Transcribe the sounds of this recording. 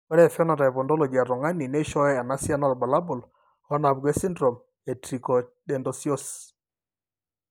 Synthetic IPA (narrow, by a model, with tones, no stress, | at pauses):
ka˦ɾɛ˦˨fɔ˦na˨ta˨ɛ˨βɔ˨ndɔ˦lɔ˨ɡi˨a˨ɾɔ˨ŋa˦ni˨nɛ˦ʃɔ˦ɛ˦a˨na˦sja˦nɔ˦˨ɾba˨la˦bʊ˨l | ɔ˦na˨βɡɛ˦si˦ndɾɔ˨m | ɛ˨tɾi˨kɔ˨dɛ˨ndɔ˨si˦ɔ˦s